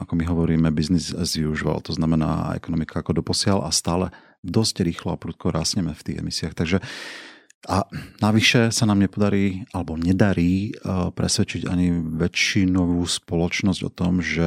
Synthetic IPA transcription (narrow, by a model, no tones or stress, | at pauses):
akɔmiɦɔʋɔɾiːmɛbiznizɛzʋiuʒiʋa̰lt̪ɔznamɛna̰ːɛ̰kɔnɔmikʰaakɔd̪ɔpɔsɪalʔast̪aːlɛ | d̪ɔscɾiːxlɔapɾut̪̚kʰɔɾaːsɲɛmɛft̪iːɣɛ̰misiaxt̪aɡʒɛ | anaʋiʃɛsanaːmɲɛpɔd̪aɾiːalɛbɔɲɛd̪aɾiːpɾɛsʋɛt͡ʃiɟa̰ɲiʋɛt͡ʃinɔʋuːspɔlɔt͡ʃnɔzɟɔ̰t̪ɔmʒɛ